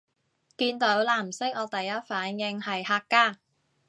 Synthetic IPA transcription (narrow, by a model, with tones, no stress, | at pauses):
kiː˧nt̪o˨˥wlaː˨˩m̩˨˩sɪ˥k̚ɔː˨˧t̪ɐ˨jːɐ˥t̚faː˨˥njɪ˧ŋhɐ˨jhaː˧kːaː˧˥